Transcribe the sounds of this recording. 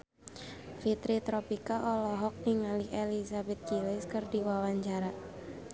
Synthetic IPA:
fit̪ɾit̪ɾɔpikaʔɔlɔɦɔk̚niŋalielisabɛt̪̚kilɪskərdiwawaɲt͡ʃaɾa

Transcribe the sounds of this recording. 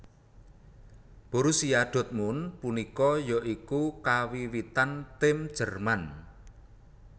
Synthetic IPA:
b̥ɔ̤ɾusijaɖ̪̥ɔ̤t̪̚munpunikɔjɔʔikukawiwit̪ant̪ɪmd̥ʒ̥ə̤rman

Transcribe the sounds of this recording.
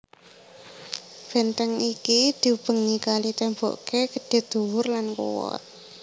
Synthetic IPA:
b̥ɛ̤nt̪ɛŋikid̪̥i̤ub̥əŋikalit̪ɛmbɔ̰ʔkekəɖ̥e̤d̪̥ṳwʊrlankṵwɔ̰t̪̚

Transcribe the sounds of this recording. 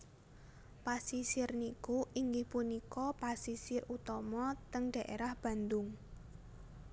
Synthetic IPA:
pasisɪrnikuʔiŋɡɪhpunikɔpasisɪrut̪ɔmɔt̪əŋɖ̥ä̤ʔḛɾahb̥ä̤nd̪ʊŋ

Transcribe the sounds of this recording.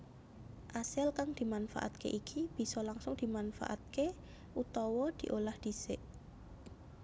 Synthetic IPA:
ʔasɪlkaŋd̪̥i̤manfa̰ʔa̰t̪̚kḛʔikʰib̥i̤sɔlaŋsʊŋd̪̥i̤manfa̰ʔa̰t̪̚ke | ʔut̪ɔwɔd̪̥i̤ʔolahd̪̥i̤sɪʔ

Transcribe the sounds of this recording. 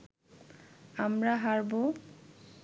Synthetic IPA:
amɾaɦaɾbo

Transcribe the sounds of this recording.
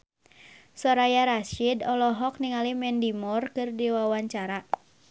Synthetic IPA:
sɔɾajaɾaʃidɔlɔɦɔk̚niŋalimɛndimɔrkɨrdiwawaɲt͡ʃaɾa

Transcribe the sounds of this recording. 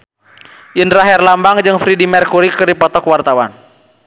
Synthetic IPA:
jənraɦɛrlambaŋd͡ʒɨŋfɾidimɛrkuɾikɨrdipɔt̪ɔkwart̪awan

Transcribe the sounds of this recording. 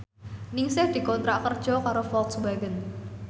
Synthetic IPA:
nɪŋsɪhd̪̥i̤kɔnt̪ɾaʔkərd̥ʒ̥ɔkaɾofɔlt̪sbaɡən

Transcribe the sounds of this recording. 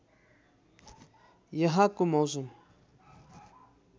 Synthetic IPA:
jəɦakumowzʊm

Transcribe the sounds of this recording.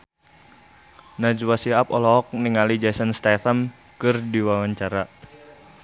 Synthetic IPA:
nad͡ʒwasiapɔlɔɔk̚niŋalid͡ʒasanst̪aθam | kɨrdiwawaɲt͡ʃaɾa

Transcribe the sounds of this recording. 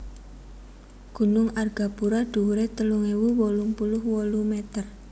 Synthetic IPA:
ɡ̥ṳnʊŋarɡ̥apuɾaɖ̪̥ṳɾet̪əluŋewuwɔluŋpulʊhwolumet̪ər

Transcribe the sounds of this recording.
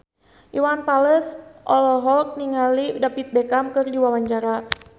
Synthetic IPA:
ʔiwanpaləsʔɔlɔɦɔk̚niŋalidapit̪̚bɛkamkɨrdiwawaɲt͡ʃaɾa

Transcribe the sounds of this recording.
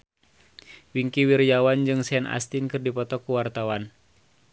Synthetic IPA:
wiŋkiwirjawand͡ʒɨŋsɛnʔa̰st̪inkɨrdipɔt̪ɔkuwart̪awan

